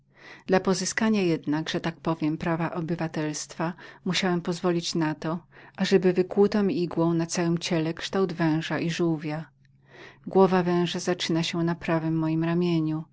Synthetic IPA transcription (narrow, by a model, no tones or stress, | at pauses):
d̪̥lapɔzɘskaɲajɛd̪naɡʐ̥ɛt̪ak̚pɔvʲjɛmpɾavaʔɔbɘvat̪ɛlst̪famuɕawɛmpɔzvɔlʲit͡ɕnat̪ɔʔaʐɛbɘvɘkwut̪ɔ̃iiɡwɔ̃w̃nat̪sawɘmt͡ɕɛlɛkʂt̪awd̪vɛ̃w̃ʐaʔiʐuwvʲja | ɡwɔvavɛ̃w̃ʐazat͡ʂɘnaɕɛnapɾavɘmːɔjimɾamʲjeɲu